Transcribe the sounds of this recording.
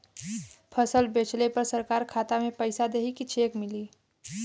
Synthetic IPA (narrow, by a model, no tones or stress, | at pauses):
pʰəsəlbeːt͡ʃlepəɾsəɾkaːɾkʰaːt̪amẽpəɪsad̪eːɦikit͡ʃʰeːkmɪliː